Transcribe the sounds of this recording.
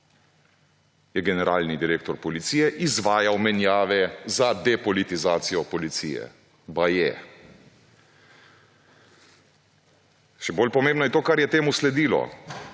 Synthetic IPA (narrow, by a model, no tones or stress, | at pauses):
jɛɡɛnɛɾaːlnid̪iɾeːkt̪ɔɾpɔlit̪sijɛʔizʋaːjawmɛnjaːʋɛzad̪ɛpɔlit̪izaːt̪sijɔpɔlit̪sḭːjɛ̰ | bajɛ | ʃɛboːlpɔmẽːmbnɔjɛt̪oːkaɾjɛt̪eːmuslɛd̪iːlɔ̰